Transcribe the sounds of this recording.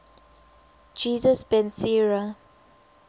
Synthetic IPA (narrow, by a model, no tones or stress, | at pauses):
d͡ʒiːzəsbɛ̃nsiɹa